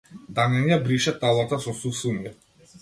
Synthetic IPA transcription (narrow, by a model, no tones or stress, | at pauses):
d̪anɛnijabɾiʃat̪alˠat̪asɔsusunia